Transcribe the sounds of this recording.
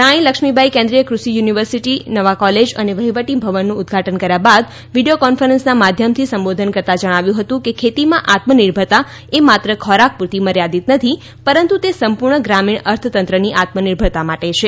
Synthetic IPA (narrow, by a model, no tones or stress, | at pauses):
ãĩləkʂmibʱaikẽnd̪ɾijəkɾusijuniʋəɾsiʈinəʋakɔled͡ʒəneʋəɦiʋəʈibʱəʋənːũːd̪ɡʱaʈənkəɾjabad̪ | ʋiɖijokɔnfəɾənsnamad̪ʱjəmt̪ʰisəmbod̪ʱənkəɾt̪ad͡ʒəɽ̃aʋjũɦət̪ũkekʰet̪imãʔat̪məniɾbʱəɾt̪a | emat̪ɾəkʰɔɾak̚puɾt̪iməɾjad̪it̪nət̪ʰi | pəɾənt̪ut̪esəmpuɾɳəɡɾamiɳ̃əɾt̪ʰət̪ənt̪ɾəniʔat̪məniɾbʱəɭt̪amaʈet͡ʃʰe